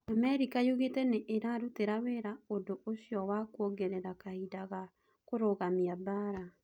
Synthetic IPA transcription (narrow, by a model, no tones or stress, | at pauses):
amɛɾikajoɣetɛneʔeɾaɾuteɾaweɾaodooɕjɔwakɔɡɛɾɛɾakahidaɣa | koɾoɣamiabaɾa